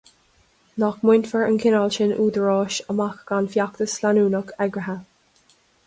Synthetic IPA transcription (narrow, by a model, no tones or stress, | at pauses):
nɔkmʊnfəɹə̰nkʰɪnalʃɪnʔuːd̪əɹɔːʃəmakɡ̥anfjakt̪əslanuːnəkʰɛɡɹəɦə